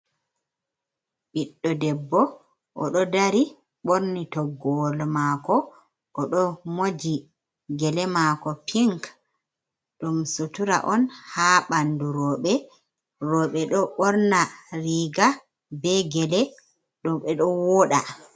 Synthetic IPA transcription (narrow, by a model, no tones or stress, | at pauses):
ɓiɗːɔdɛbːɔ | ʔɔɗɔdaɾi | ɓoɾnitɔɡɔlmakɔ | ʔɔɗɔmod͡ʒi | ɡɛlɛmakɔpʰiŋk | ɗumsutuɾa̰ʔɔnhaɓanduɾɔːɓɛ | rɔːɓɛɗɔɓɔɾnaɾiːɡa | bɛɡɛlɛ | ɗɔɓɛɗɔwɔɗa